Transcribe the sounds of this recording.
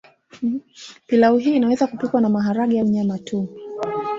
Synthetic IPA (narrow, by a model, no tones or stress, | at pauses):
pilauɦiːnawɛzakupikwanamaɦaɾaɠijauɲamatʰu